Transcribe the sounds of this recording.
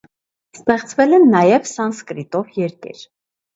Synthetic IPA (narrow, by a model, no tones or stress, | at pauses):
st̪ɛχt͡svɛlɛnːɑjɛvsɑnskɾit̪ɔvjɛɾkɛ̰ɾ